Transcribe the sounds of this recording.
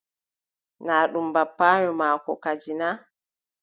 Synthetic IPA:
naːɗumbapːaːɲɔmaːkɔ̰kad͡ʒina

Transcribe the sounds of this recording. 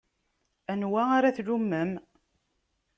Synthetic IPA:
ænwæaɾaθlumːəm

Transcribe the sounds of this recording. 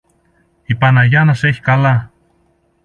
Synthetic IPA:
ipanajanaseçkala

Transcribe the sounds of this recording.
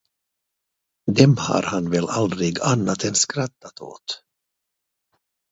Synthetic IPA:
d̪ɛmha̰ɾhanvɛlald̪ɾɪɡanːat̪ɛnskɾat̪ːat̪o̰ːt̪

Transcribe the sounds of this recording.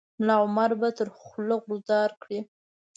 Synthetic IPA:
lɑʊmaɾbat̪əɾxloɣɾʊzd̪ɑɾkɽi

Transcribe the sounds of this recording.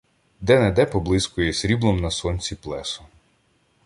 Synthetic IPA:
d̪ɛnɛd̪ɛpɔblˠɪskʊjisɾʲiblˠɔmnɐsɔnʲt͡sʲiplˠɛsʊ̥

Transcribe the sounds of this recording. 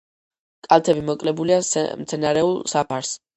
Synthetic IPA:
kʼalˠt̪ʰɛbimɔkʼlɛbuliamt̪sʰɛnaɾɛulˠsapʰaɾs

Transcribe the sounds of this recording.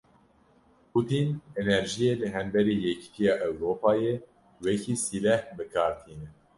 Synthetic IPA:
pʰut̪inenɛɾʒijelɨɦɛmbɛɾiːjɛcʰi̥t̪ʰijɑːʔɛwɾoːpʰɑːje | wɛkʰiːsilɛhbɨkʰɑːɾt̪ʰiːnɛ

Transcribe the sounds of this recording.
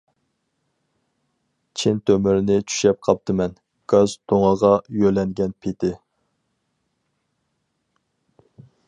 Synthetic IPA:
t͡ʃʰint̪ʰømyɾɪnɪt͡ʃʰy̥ʃɛp̚qʰɑp̚t̪ʰɨmɛn | ɡ̥ɑzt̪ʰoŋɑʁɑjølɛŋɡʲɛnpʰet̪ʰɪ

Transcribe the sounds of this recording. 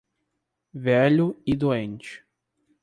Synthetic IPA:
vɛʎʊɪd̪uẽnt͡ʃɪ̥

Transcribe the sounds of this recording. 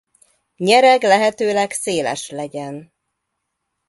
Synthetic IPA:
ɲɛɾɛɡlɛɦɛt̪øːlɛɡseːlɛ̰ʃlɛɟɛn

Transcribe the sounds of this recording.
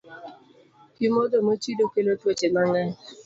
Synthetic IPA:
pjimodomot͡ʃidokelotot͡ʃemaŋa

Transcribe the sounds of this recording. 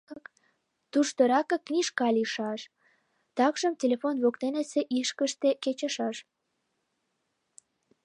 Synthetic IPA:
t̪uʃt̪ə̆ɾɑkə̆kːnʲiʃkɑlʲiʃɑʃ | t̪ɑkʒəmtʲelefonβokt̪eneseʔiʃkəʃt̪eket͡ɕə̆ʃɑʃ

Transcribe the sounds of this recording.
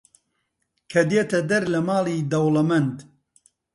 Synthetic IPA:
kʰɐd̪eːt̪ɐd̪ɐɾlɐmaːliːd̪ɐwlɐmɐnd̪

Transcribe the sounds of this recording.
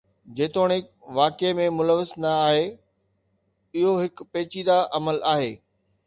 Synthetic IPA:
d͡ʑeːt̪oːɽ̃ɪk | ʋaːkemẽmʊləʋəsnɐːɦe | iɦoɦɪkpeːt͡ɕiːd̪aʔɐməlaːɦeː

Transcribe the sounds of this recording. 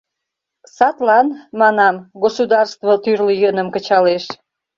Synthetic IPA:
sɑt̪lɑnmɑnɑmɡosud̪ɑrst̪βot̪yrləjənəmkə̆t͡ɕɑleʃ

